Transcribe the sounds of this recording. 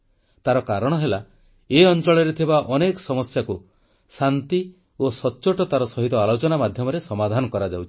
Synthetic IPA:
t̪aɾɔkaɾɔɽ̃ɔɦela | eɔnt͡ʃɔɭɔɾet̪ʰibaʔɔnekɔ̥sɔmɔsjaku | sant̪i | osɔːt͡ʃoʈɔt̪aɾɔsɔɦit̪ɔalot͡ʃɔnamad̪ʱjɔmɔɾesɔmad̪ʱanɔkɔɾad͡ʒawt͡ʃʰi̥

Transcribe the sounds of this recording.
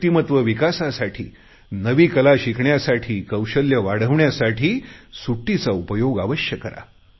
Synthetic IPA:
t̪imət̪ʋəʋikasasaʈʰḭː | nəʋiːkəlaɕikʰɳjasaʈʰiːkəwɕəljəʋaɽ̤əʋɳjasaʈʰiːsuʈːit͡saupəjoɡaʋəɕjəkəɾa̰

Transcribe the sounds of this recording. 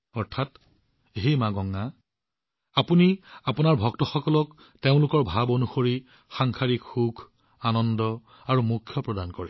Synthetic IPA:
ɔɹtʰat | eɦemaɡɔŋːa | apuniapunaɹbʱɔktɔxɔkɔlɔk | teʊ̃lʊkɔɹbʱabonuxoɹi | xaŋkʰaɹikxuɡʰʱ | anɔndɔ | aɹumukʰːjɔpɹɔdankɔɹɛ̰

